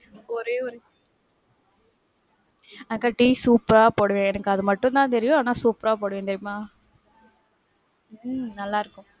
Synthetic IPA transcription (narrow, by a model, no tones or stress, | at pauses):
ɔɾeːɔɾe | ɐkːɐʈiːsuːpɾaːpoːɽɯʋẽːɛnɐkːɯɐðɯmɐʈːʊ̃nt̪ãːnt̪ɛɾɪjʊ̃aːnaːsuːpɾaːpoːɽɯʋẽːt̪ɛɾɪmaː | nɐlːaːɪɾɯkːʊ̃